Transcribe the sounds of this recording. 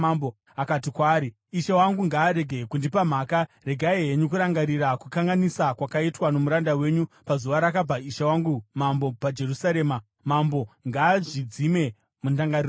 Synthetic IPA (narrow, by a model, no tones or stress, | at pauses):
bo | akatikwaːɾi | iʃawaŋɡuŋɡaːɾe̞ɡʱekundipam̤aːkare̞ɡʱaeɦeɲukuɾaŋɡaɾiɾakukaŋɡanisakwakaitwano̞muɾandawe̞ɲupazuʋaɾakab͡vaiʃawaŋɡumambo̞pad͡ʒe̞ɾusaɾe̞ːma | mambo̞ŋɡaːʐid͡zime̞ | mundaŋɡarir